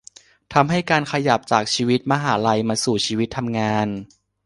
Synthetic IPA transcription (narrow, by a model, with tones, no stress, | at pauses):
t̪ʰa˧mɦa˥˩jkaː˧nkʰa˧ja˨˩p̚t͡ɕaː˨˩k̚t͡ɕʰiː˧wi˦˥t̪̚maː˧ɦaː˩˦ɾa˧jmaː˧suː˨˩t͡ɕʰiː˧wi˦˥t̪ʰːa˧mŋaː˧n